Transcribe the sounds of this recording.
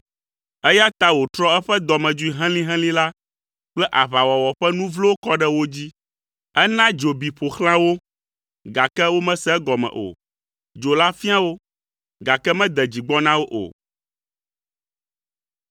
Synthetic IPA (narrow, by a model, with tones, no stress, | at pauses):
ɛ˦ja˦t̪a˦wo˨t̪ɾɔ˦ɛ˦ɸɛ˦d̪ɔ˨mɛ̃˨d͡ʒu˦i˦˨ɦɛ̃˦lĩ˦ɦɛ̃˦lĩ˦la˦ | k͡plɛ˦ʔa˨βa˨wɔ˨wɔ˨ɸɛ˦nũ˦vlo˦o˦kɔ˦ɖɛ˦wo˦d͡ʑi˦ | ɛ˦nã˦d͡ʒo˨bi˨ɸo˨xl̃ã˦wo˦ | ɡa˨kɛ˦wo˦mɛ̃˦sɛ˦ɡɔ˨mɛ̰̃˨ʔo̰˨ | d͡ʒo˨la˦fi˦a˦wo˦ | ɡa˨kɛ˦mɛ̃˦d̪ɛ˨d͡ʑi˨ɡ͡bɔ˦nã˦wo˦ʔo̰˨